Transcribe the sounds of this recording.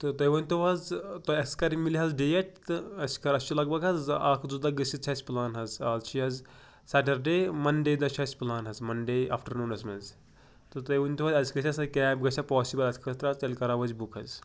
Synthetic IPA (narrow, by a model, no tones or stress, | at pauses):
t̪ɨt̪ɐjʋɐnʲt̪uʋɐzt̪oɐskɐɾimiliɦɐzɖeːjɐʈ̚t̪ɨɐsʲkɐɾɐst͡ʃʰilɐɡbɐɡɦɐzaːkʰd͡zud̪ɐɡɨsʲit͡ʃʰasʲplaːnɦɐzaːzt͡ʃʰiɦɐz | sɐʈɐɾɖeːmɐnɖeːd̪ɐt͡ʃʰɐːsʲplaːnɦɐzmɐnɖejʔa̰ːfʈɐɾnuːnɐsmɐz | t̪ɨt̪ɐjʋɐnʲt̪uʋɐzɐzʲkɐt͡ʃʲʰɐsɐkʲɛːbɡɐt͡ʃʲʰapɔːsibɐlɐt̪ʰʲkʰɐst̪ɾaːzt̪ɐlʲkɐɾaːʋɐzʲbukʰɐz